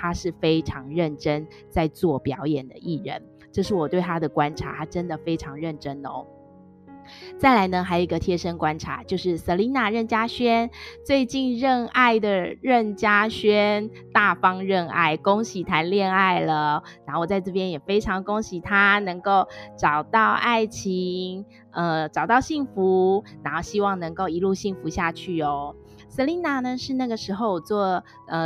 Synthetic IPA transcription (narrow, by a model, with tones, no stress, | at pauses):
t̪ʰa˥ʂɻ̩˥˩fe˥ɪʈ͡ʂʰɑ˧˥ŋɻə˥˩nʈ͡ʂə˦n | t͡sa˥˧ɪt͡swɔ˥˩pjɑ˧˥ʊjɛ˨˩nd̪ə̰˦ʔi˥˩ɻə̰˧˥n | ʈ͡ʂɤ˥˧ʂɻ̩˥˩wɔ˨˩t̪we˥˩ɪt̪ʰa˥d̪ə˩kwa˦nʈ͡ʂʰa̰˨˧˥t̪ʰa˥ʈ͡ʂə˦nd̪ə˨fe˥ɪʈ͡ʂʰɑ˧˥ŋɻə˥˩nʈ͡ʂə˥no̰˧˦ | t͡sa˥˩ɪla˧˥ɪnə˧xa˧˥jo˨i˦ɡə˧t̪ʰjɛ˥ʂə˥ŋkwa˦˥nʈ͡ʂʰa̰˧˥˦t͡ɕjo˥˧ʊʂɻ̩˥˩sə˧˥li˧˥na˥˧ɻə˥˩nt͡ɕja˥ɕɥɛ˥nt͡swe˥˧ɪt͡ɕi˥˧nɻə˥˧na˥˩ɪd̪ə˩ɻə˥˩nt͡ɕja˥ɕɥɛ˥n | t̪a˥˩fɑ˥ŋɻə˥˧na̰˥˩ɪko˥ŋɕi˨˩t̪ʰa˧˥nljɛ˥˧na˥˩ɪlə˩na˧˥xo˥˩wɔ˨˩t͡sa˥˧ɪʈ͡ʂɤ˥˩p̬jɛ˥njɛ˨˩fe˥ɪʈ͡ʂʰɑ˧˥ŋko˥ŋɕi˨˥t̪ʰa˥nɤ˧˥ŋko˥˩ʊʈ͡ʂɑ˨˩ʊt̪ɑ˥˩˧ʊʔa˥˩ɪt͡ɕʰi˧˥ŋ | ə˧ʈ͡ʂɑ˨˩ʊt̪ɑ˥˧ʊɕi˥˩ŋfu˨˧˦na˧˥xo˥˩ʊɕi˥wɑ˥˩ŋnɤ˧˥ŋko˥˩ʊi˧˥lu˥˧ɕi˥˩ŋfu˧˥ɕja˥˧t͡ɕʰy˥˩o˨˩˦ | sə˧˥li˧˥na˨˥nə˧ʂɻ̩˥˧na˥˩ɡə˩ʂɻ̩˧˥xo˥˧ʊwɔ˨˩t͡swɔ˥˩ | ə˧